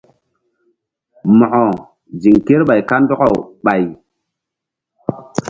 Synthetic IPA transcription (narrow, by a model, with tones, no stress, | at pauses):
mɔ˨ʔɔ˨ | d͡ʒi˨ŋke˦ɾɓa˨jka˦ndɔ˦kɔ˨wɓa˨j